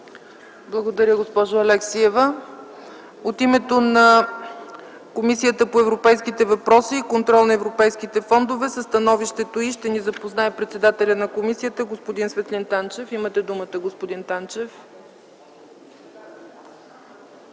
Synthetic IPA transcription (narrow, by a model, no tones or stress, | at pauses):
blˠəɡod̪ɐɾʲəɡospɔʒʊɐlɛksiɛvə | ot̪imɛt̪onɐ | komisijət̪əpoɛvɾopɛjskit̪ɛvɐpɾɔsiːkont̪ɾɔlˠnɐɛvɾopɛjsk̟it̪ɛfɔnd̪ovɛsəst̪ɐnɔviʃt̪ɛt̪oiʃt̪ɛnizɐpoznaɛpɾɛt̪sɛd̪at̪ɛlʲənɐkomisijət̪əɡospod̪insvɛt̪lint̪ant͡ʃɛfimət̪ɛd̪umət̪əɡospod̪int̪ant͡ʃɛf